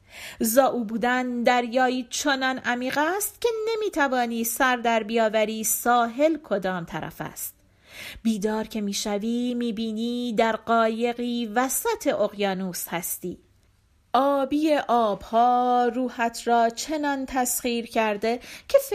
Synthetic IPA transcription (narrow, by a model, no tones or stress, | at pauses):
zɒːʔuːbuːd̪ænd̪æɾjɒːiːt͡ʃʰonɒːnʔæmiːɢæst̪cʰʲe̞nemiːt̪ʰævɒːniːsæɾd̪æɾbijɒːvæɾiːsɒːɦe̞lkʰo̞d̪ɒːmt̪ʰæɾæ̰fæ̰st̪̚ | biːd̪ɒːɾcʰe̞miːʃæviːmiːbiːniːd̪æɾɢɒːje̞ɣiːvæsæt̪ʰe̞ʔoɣjɒːnuːshæst̪iː | ʔɒːbiːeʔɒːb̥hɒːruːhæt̪ʰɾɒːt͡ʃʰe̞nɒnt̪ʰæsχiːɾcʰæɾd̪e̞cʰe̞f